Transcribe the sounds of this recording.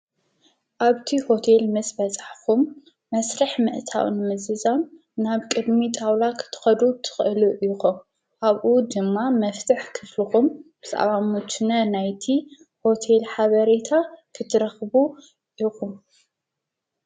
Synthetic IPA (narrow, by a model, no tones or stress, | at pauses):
ʔaβt̪ʰiho̞t̪ʰelmɐsʼbɐt͡sʼaħkumː | ɐsɾɐħmɨʔt̪ʰa̰wnɨmɨzɨzan | naβkʼɨd̪mit̪ʼawlakʰɨ̥t̪ʰɨ̥xɐd̪ut̪ʰɨ̥xʔɨluʔxum | ʔaβʔud̪ɨmːamɐft̪ʰɨħkʰɨflɨxumb̥ɨt̪ʼa̰βamut̪ʰɨnɐnajt̪ʰi | ho̞t̪ʰe̞lħaβɐɾet̪ʰakʰɨt̪ʰːɨɾɐxbu | ʔixum